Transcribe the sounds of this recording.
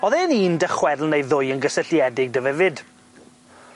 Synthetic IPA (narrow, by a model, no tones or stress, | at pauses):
ɔðɛniːndəχwɛðlˠnejðʊjənɡəsəɬjɛdɪɡ̚dəvɛvɪd̥